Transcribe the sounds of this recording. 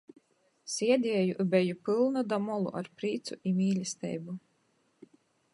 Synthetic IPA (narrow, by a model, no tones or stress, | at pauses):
sʲiɛd̪ʲiɛjuʔbɛjupɨlˠnɔd̪amɔlˠṵʔa̰ɾpɾiːt̪sṵʔimʲiːlʲist̪ʲɛ̰jbu